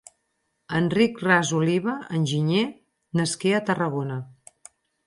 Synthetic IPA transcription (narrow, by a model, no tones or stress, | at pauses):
ənrikrazuliβ̞əənʲʒiɲe | nəskeət̪ərəɣ̞onə